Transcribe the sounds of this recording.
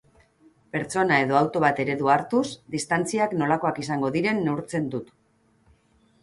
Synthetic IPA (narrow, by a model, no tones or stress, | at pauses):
pe̞ɾt͡so̞nae̞ðo̞awt̪o̞βat̪e̞ɾe̞ðuaɾt̪usd̪ist̪ant͡siakno̞lako̞akisaŋɡo̞ðiɾe̞nːe̞uɾt͡se̞nd̪ut̪